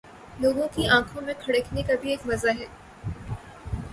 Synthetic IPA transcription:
loːɡõkiãːkʰõmẽkʰɐɽəkʰnekabʱieːkʋɐzaɦɛː

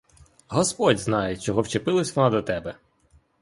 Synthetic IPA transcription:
ɦɔspɔdʲznɑjet͡ʃɔɦɔwt͡ʃepɪlˠɐsʲʋɔnɑd̪ɔt̪ɛbɛ

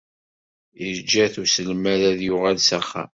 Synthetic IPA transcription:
iɾd͡ʒːæθusəlmæɾæðjʊʁalsæχːa̰

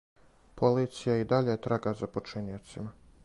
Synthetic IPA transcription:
pʰoliːt̪sijaid̪aʎet̪ɾaɡazapot͡ʃiniot̪sima

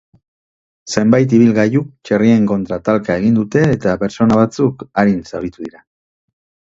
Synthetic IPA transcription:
se̞mbajt̪̬iβ̞ilɣajukt͡ʃerie̞ŋko̞nt̪ɾat̪alkae̞ɣind̪ut̪e̞ːt̪ape̞ɾso̞naβ̞at͡sukaɾinsaβɾit̪uðiɾa

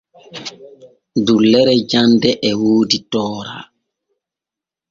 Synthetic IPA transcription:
dulːɛɾɛd͡ʒandɛʔwoːditɔːɾa̰ː

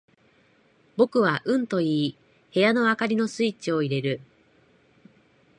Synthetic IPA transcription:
bo̞kɯ̟βaʔɯ̟̃nt̪o̞iː | he̞jano̞akaɾʲino̞sɨit͡ɕio̞iɾe̞ɾɯ̟

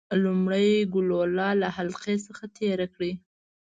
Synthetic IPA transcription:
lumɽəjɡʊlolɑlahalqesəxat̪ʰeɾakɽi

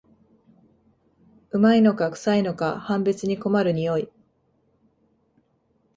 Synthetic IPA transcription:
ɯ̟maino̞kakɯ̟̥saino̞kahãmbet͡sɨɲ̟iko̞maɾɯ̟ɲ̟ijo̞i

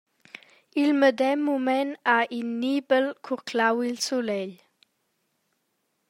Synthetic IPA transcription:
ilməd̪ɛmːumɛnaʔinːibəlkʰukʰlawilsulɛʎ

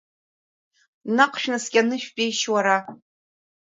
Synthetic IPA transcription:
naqʷʰʃᶣnɨsɡʲʼanɨʃᶣpʲʼejʃwaɾa

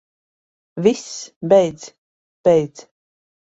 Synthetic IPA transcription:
visbɛjd̪z | b̥ɛjd̪z

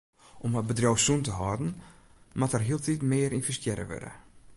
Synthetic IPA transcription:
ʔɔməbədrowsuntəɦɔdn̩matərɦiəlˠtitmɪəɾinfəstjɛɾə̰ʋø̰də̰

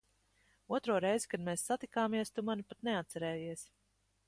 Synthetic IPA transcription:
uɔt̪ɾuɔɾɛjzikad̪meːsːat̪ikaːmiɛst̪umanipat̪nɛat̪̚sɛɾɛːjiɛs

